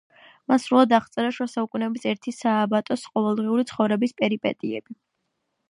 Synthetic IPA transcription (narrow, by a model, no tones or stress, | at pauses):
mansɾulˠad̪aχt̪sʼɛɾaʃwasaukʼunɛɔbisɛɾt̪ʰisaːbat̪ʼɔsqʼɔvɛlˠd̪ʁiuɾit̪sʰχɔvɾɛbispʼɛɾipʼɛ̰t̪ʼiɛ̰bi